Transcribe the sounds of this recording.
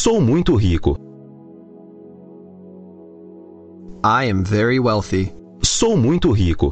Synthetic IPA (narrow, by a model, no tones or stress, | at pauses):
sowmũj̃t̪ʊɦikʊ̰ | aɪɛ̃ɱvɛɹiwɛlˠθi | sowmũj̃t̪ʊɦikʊ̰